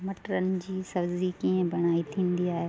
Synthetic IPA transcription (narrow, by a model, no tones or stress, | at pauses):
mɐʈɾənɪ̆d͡ʑiːsɐbzikiːə̃bɐɽ̃aːit̪ʰĩːnd̪iaːɦe